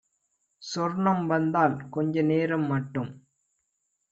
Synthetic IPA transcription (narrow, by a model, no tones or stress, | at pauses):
sɔɾɳɐmʋɐnd̪aːlkɔɲd͡ʒɐneːɾɐmːɐʈːɯm